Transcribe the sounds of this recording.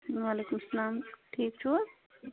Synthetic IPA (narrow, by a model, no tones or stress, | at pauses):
alekumslaːmʈʰiːk̚t͡ʃʰu